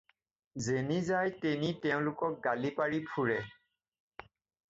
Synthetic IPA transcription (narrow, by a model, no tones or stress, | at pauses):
zenizajtenitɛʊ̃lʊkɔk̚ɡalipaɹipʰuɹɛ